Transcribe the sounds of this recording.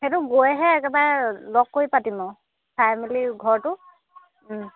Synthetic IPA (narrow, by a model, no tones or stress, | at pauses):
xetʊɡojɛɦɛːkɛbalɔkːoipatimɔ | pʰamiliɡʱɔɹtʊ